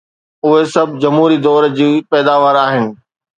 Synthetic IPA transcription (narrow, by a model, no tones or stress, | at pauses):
ʊɦesɐbʱd͡ʑɐmɦuːɾid̪ɔːɾd͡ʑiːpɛːd̪aːʋaːɾaːɦɪnɪ̆